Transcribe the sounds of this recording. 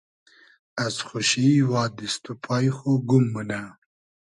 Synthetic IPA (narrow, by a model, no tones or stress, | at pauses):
asxʊʃiwɑːd̪ɪst̪upʰɑjxoɡʊmːuna